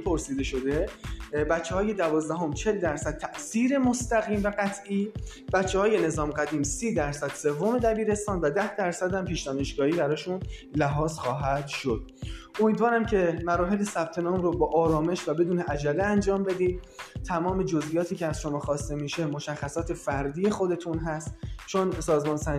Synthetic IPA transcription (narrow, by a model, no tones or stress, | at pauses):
pʰo̞ɾsiːd̪e̞ʃo̞d̪e̞bætt͡ʃʰːeɒːje̞d̪ævɒːzd̪æɦo̞mt͡ʃʰe̞ld̪æɾsæd̪̚t̪ʰæʔsiːɾe̞most̪æɣiːmvæɢæt̪ʰʔiː | b̥ætt͡ʃʰːehɒːje̞ne̞zɒːmɡæd̪iːmsiːd̪æɾsæd̪̥se̞vːome̞d̪æbiːɾe̞st̪ɒːnvæd̪æhd̪æɾsæd̪hæmpiːʃd̪ɒːne̞ʃɡɒːhiːbæɾɒːʃunlæɦɒːzxɒːɦæd̪̥ʃod̪̥̚ | omiːd̪vɒːɾæmcʰe̞mæɾɒːɦe̞lesæb̥̚t̪ʰe̞nɒːmɾobɒːʔɒːɾɒːme̞ʃvæbe̞d̪uːneʔæd͡ʒæleænd͡ʒɒːmbe̞d̪iːd̪t̪ʰæmɒːme̞d͡ʒozʔijɒːt̪ʰiːcʲʰeæzʃomɒːxɒːst̪e̞miʃe̞mo̞ʃæxːæsɒːt̪ʰe̞fæɾd̪iːe̞xod̪e̞t̪ʰunɦæst̪t͡ʃʰonsɒːzmɒːnsæ